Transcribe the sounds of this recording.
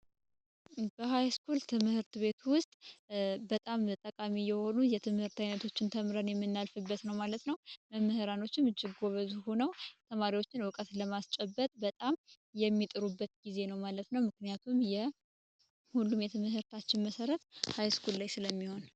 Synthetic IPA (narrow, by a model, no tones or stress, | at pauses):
bəɦajskult̪ʰɨmhɨɾt̪βe̞t̪wʊst̪ʼbət̪ʼamt̪ʼəkʼamijɛho̞nujɛt̪ʰɨmhɨɾt̪ajnət̪ʰo̞t͡ʃːɪnt̪ʰəmɾənjɛmːɨnːalfɨbːət̪nəwmalət̪nəwməmːəhɨɾano̞t͡ʃːɪmɨt͡ʃːɪɡːo̞βəzuhonəwt̪ʰəmaɾiwo̞t͡ʃːɪnwɨkʼət̪ləmast͡ʃʼɛbːət̪ʼbət̪ʼam | jɛmːit̪ʼɨɾubːət̪ɡize̞nəwmalət̪nəwmɨknijat̪ʰumjɛ | hulːumjɛt̪ʰɨmɨhɨɾt̪ʰat͡ʃːɪnməsəɾət̪hajskʰullajsɨləmːiho̞n